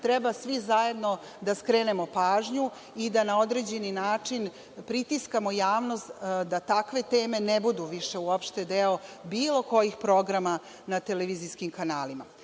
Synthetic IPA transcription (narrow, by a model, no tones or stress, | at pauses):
t̪ɾɛbasʋizaje̞d̪no̞ | d̪askɾeːne̞mo̞paːʒɲu | id̪anao̞d̪ɾe̞d͡ʑe̞ninaːt͡ʂin | pɾit̪iskamojaːʋnost̪d̪at̪akʋe̞t̪eːme̞nebud̪uʋiʃe̞uopʃt̪ed̪eobiːlˠo̞ko̞jixpɾo̞ɡɾama | nat̪eleʋiːziskimkanaːlima̰